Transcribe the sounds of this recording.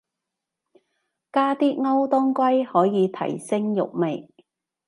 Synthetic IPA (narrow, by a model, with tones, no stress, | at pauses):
kaː˥t̪iː˥ŋɐ˥wt̪ɔː˥ŋkʷɐ˥jhɔː˨˥jiː˨˧t̪ʰɐ̰˨˩jsɪ˥ŋjʊ̰˨k̚me˨j